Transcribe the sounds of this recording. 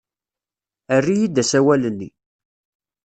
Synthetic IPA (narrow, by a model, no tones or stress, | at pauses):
ərːijid̪æsæwælənːḭ